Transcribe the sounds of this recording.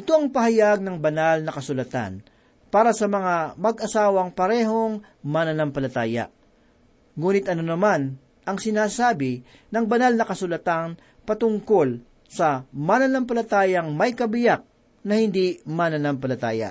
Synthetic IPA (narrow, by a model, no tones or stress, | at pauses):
ʔɪt̪oɐŋpɐhɐjaɡ̚nɐŋbɐnalnɐkɐsʊlɐt̪a̰n | paːɾɐsɐmɐŋamɐɡʔɐsaːwɐŋpɐɾɛːɦo̞ŋ | manɐnampɐlɐt̪aːjɐ̰ | ŋuːnɪt̪̚ʔɐnonɐman | ʔɐŋsɪnaːsaːbɪ | nɐŋbɐnalnɐkɐsʊlɐt̪an | pɐt̪ʊŋko̞l | sɐmanɐnɐmpɐlɐt̪aːjɐŋmɐjkɐbɪjak̚ | nɐhɪnd̪imanɐnampɐlɐt̪a̰ːjɐ̰